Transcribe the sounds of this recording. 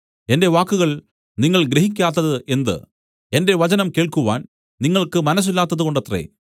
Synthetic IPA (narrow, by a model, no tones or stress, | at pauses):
e̞nde̞ʋaːkːuɣɐɭ | niŋːɐɭɡɾeɦik̬ʲːaːt̪ːɐðɨʔe̞nd̪ɨ̰ | e̞nde̞ʋɐt͡ɕɐnɐmke̞ːɭkuʋaːn | niŋːɐɭkɨmɐnɐs̬ːilːaːt̪ːɐðuko̞ɳɖɐt̪rḛː